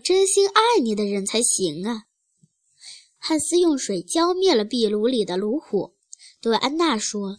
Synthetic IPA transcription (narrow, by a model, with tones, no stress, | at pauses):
ʈ͡ʂə˥nɕi˥na˥˩ni˨˩d̪ə˦ɻə˧˥nt͡sʰa˧˥ɪɕi˧˥ŋə˧ | xa˥˩nsɹ̩˥jʊ˥˩ŋʂwe˨˩ɪt͡ɕjɑ˥ʊmjɛ˥˩lə˩pi˥˩lu˧˥li˨˩d̪ə˦lu˧˥xɔ̰˨˩˦ | t̪we˥˩ɪʔa˥nna˥˩ʂwɔ˥